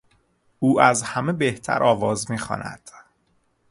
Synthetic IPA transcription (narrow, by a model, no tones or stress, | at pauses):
uːʔæzhæme̞beht̪ʰæ̰ɾʔɒːvɒːzmiːxɒ̰ːnʔæ̰d̪̥